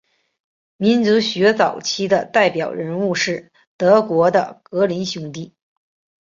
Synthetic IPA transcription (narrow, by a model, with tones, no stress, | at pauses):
mi˧˥nt͡su˧˥ɕɥɛ˧˥t͡sɑ˨˩ʊt͡ɕʰi˥d̪ə˨t̪a˥˩ɪpjɑ˨˩ʊɻə˧˥nu˥˧ʂɻ̩˥˩ | t̪ɤ˧˥kwɔ˧˥d̪ə̰˧kɤ˧˥li˧˥nɕjʊ˧˥ŋt̪i˥˩